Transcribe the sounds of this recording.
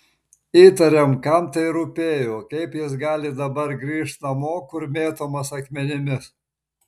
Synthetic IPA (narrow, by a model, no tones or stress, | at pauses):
iːt̪ɐɾʲɛmkɐmt̪ɐɪɾʊpʲeːjoːkɐɪpjɪs̬ɡɑːlʲɪd̪ɐbɐɾɡɾʲiːʃt̪nɐmoːkʊɾmʲeːt̪oːmɐsɐkmʲɛnʲɪmʲɪs